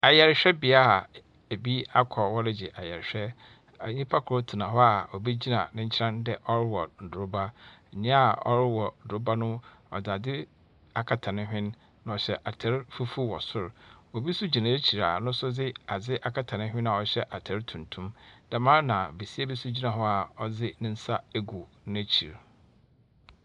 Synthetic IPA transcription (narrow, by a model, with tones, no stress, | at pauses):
a˨jɛ˨ɾɪ˨˦ɕᶣɛ˦bi˨a˦a˨ | e˨bi˦a˦kʰɔ˨wɔ˦ɾɪ˨d͡ʑɪ˨ʔa˨jɛ˨ɾɕᶣɛ˦ | a˨ɲĩ˦pʰa˦kʰʊ˨ɾo˦tʰɪ˨nã˨ɦɔ˦a˨ɔ˨bi˦d͡ʑi˦nã̰˨nɪ̃˦ɲ̩˦t͡ɕʰɪ˦ɾã˦ndɛ˨ʔɔ˦ɾɪ˦wɔ˨n̩˨dʊ˨ɾʊ˦ba˦˨ɲɪ̃˦a˨ɔ̰˦ɾɪ˦wɔ˨n̩˨dʊ˨ɾʊ˦ba˦nʊ̃˦ɔ̰˨da˨dɪ˦ | a˨kʰa˨tʰã˨nɪ̃˦ɦᶣɪ̃˦nː | ã˨ɔ˨ɕɛ˦ʔa˨tʰɛ˨˦ɾfu˦fu˦wɔ˨sʊ˦ɾɔ˨bi˦sʊ˦d͡ʑi˨nã˨e˦t͡ɕʰi˨ɾa˨nʊ̃˦sʊ˦d͡zɪ˦a˨d͡zɪ˦ʔa˨kʰa˨tʰã˨nɪ̃˦ɦᶣɪ̃˦na˨ɔ˨ɕɛ˦ʔa˨tʰɛ˨ɾtʰũ˨ntʰũ˦md̥a˨mãː˦nã˨be˨si˦a˦bi˦su˦d͡ʑi˦nã˨ɦɔ˦a˨ɔ˦d͡zɪ˦nɪ̃˦n̩˦sa˦e˦ɡu˨nʊ̃˦æ˦t͡ɕʰi˨ɾ